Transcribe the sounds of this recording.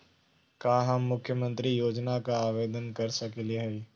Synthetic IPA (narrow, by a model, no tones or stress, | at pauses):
kaːɦɐmːʊkʰːjəmə̃nt̪ɾijoːd͡ʒnakaaːʋeːd̪ənkɐɾsɐkelieɦɛi